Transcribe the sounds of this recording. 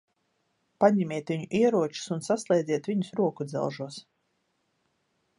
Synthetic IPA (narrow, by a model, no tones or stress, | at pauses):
paɲɛmʲiɛt̪vʲiɲuʔiɛɾuɔt͡ʃu̥sunsaslˠɛjd̪zʲiɛt̪vʲiɲusɾuɔkud̪zɛ̰lˠʒuɔs